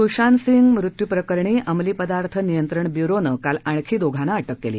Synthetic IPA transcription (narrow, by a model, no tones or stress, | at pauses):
t̪uɕansiŋɡmɾut̪jupɾəkəɾɳiːʔəmliːpəd̪aɾt̪ʰənijənt̪ɾəɳbjuɾonəkalaɳ̃kʰiːd̪oɡʱanaəʈəkːelḭː